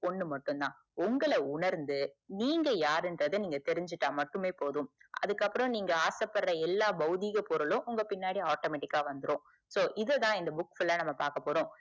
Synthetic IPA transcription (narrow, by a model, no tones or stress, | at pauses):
ɔɳːɯmɐʈːɯ̃nd̪ãː | ʊŋɡɐɭɐʊɳɐɾnd̪ɯniːŋɡɐjaːɾɛndɾɐðɯniːŋɡɐt̪ɛɾɪɲd͡ʒɪʈːãːmɐʈːɯmeːpoːðɯ̃mʔɐ̰ðɯkːɐpːɯɾɔ̃niːŋɡɐaːsɐpːɐɾɾɐɛlːaːbɐɣðiɣɐpɔɾɯlʊ̃ʔʊŋɡɐpɪnːaːɽiaːʈoːmeːʈːɪkːaːʋɐnd̪ɯɾõː | soːʔɪðɐðãːɪnd̪ɐbʊkːfɪlːɐnɐmːɐpaːɾkɐpːoːɽõː